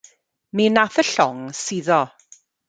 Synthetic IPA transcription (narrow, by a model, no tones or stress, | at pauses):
minaθəɬɔŋsiðɔ